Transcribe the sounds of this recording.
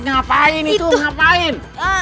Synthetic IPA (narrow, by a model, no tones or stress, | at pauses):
ŋapaɪnit̪uŋapaɪn